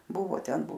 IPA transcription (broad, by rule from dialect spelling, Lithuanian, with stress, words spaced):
ˈbʊʋoː ˈtʲɛn